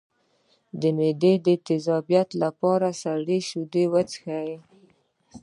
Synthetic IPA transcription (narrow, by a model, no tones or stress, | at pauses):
d̪əmed̪ed̪ət̪ɪzɑbijat̪lapɑɾasaɽeʃud̪ewat͡sxaji